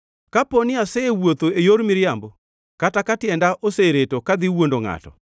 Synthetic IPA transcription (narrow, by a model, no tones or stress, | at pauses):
kaponɪasɛewot̪oejoɾmɪɾjambo | katakatjɛndaʔoseɾetokad̪ɪwondoŋa̰tɔ̰